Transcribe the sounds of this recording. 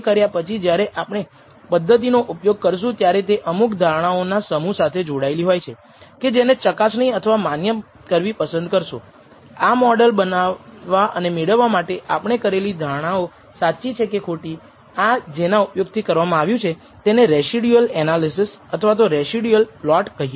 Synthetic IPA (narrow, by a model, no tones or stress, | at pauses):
kəɾjapət͡ʃʰid͡ʒjaɾeʔapɳ̃e | pəd̪ʱːət̪̬inoʔupjoɡ̚kəɾʃ̬ũt̪jaɾet̪eʔəmukd̪ʱaɽ̃aonasəmũsat̪ʰed͡ʒoɽaeliɦojt͡ʃʰe | ked͡ʒenet͡ʃəkasnəĩət̪ʰəʋamanjə | kəɾʋipəsənd̪̚kəɾʃũ | amɔɖəlbənaːaʔənemeɽəʋːamaʈeʔapɳ̃ekəɾelid̪ʱaɽ̃ao | sat͡ʃːit͡ʃʰekekʰoʈi | ad͡ʒenaupjoɡt̪ʰikəɾʋamãaʋjũt͡ʃʰe | t̪eneɾesiɖjuəlɛnalisɪs | ət̪ʰəʋat̪oɾesiɖiəlplɔʈkəɦie